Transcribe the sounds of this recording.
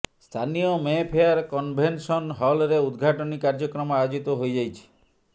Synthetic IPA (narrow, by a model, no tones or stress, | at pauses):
st̪ʰanijɔmepʰeaɾkɔnbʱensɔnɦɔlɾeud̪ɡʱaʈɔnikaɾd͡ʒɔkɾɔmɔajod͡ʒit̪ɔɦojd͡ʒajt͡ʃʰi̥